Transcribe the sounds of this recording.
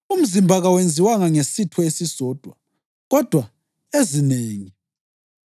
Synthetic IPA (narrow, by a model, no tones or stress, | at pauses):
um̩zimbʱaɣawend͡zʱiwaŋaŋesitʰɔesisɔːd̥ʱwa | ɣɔd̥ʱwa | ezineːŋi